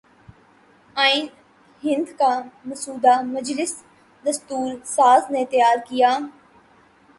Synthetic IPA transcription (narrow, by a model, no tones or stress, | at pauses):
aːin | ɦɪ̃nd̪kamɐsuːd̪amɐd͡ʒlɪs | d̪ɐst̪uːɾsaːznet̪əjaːɾkijaː